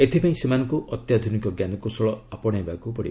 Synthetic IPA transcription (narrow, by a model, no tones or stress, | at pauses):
et̪ʰipaĩsemanɔ̃ŋkuʔɔt̪jad̪ʱunikɔɡjanɔkusɔɭɔapɔɽ̃aɦebakupɔɽḭ